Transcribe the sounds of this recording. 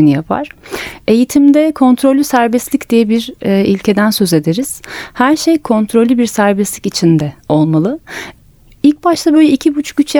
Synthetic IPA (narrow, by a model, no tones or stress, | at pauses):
inijapʰa̰ɾ̥e̞jit̪ʰimd̪ɛkʰo̞nt̪ʰɾo̞lʲysæɾbɛslʲicd̪̥ijɛbiɾːilʲcʰe̞d̪ænsø̞ze̞d̪eɾiz̥hæɾʃe̞jkʰo̞nt̪ʰɾolʲːybiɾsæɾbɛslʲicit͡ʃʰind̪ɛo̞lˠmalˠɯ | ilʲc̚baʃt̪ˠabø̞jlʲɛicʰibut͡ʃʰyt͡ʃj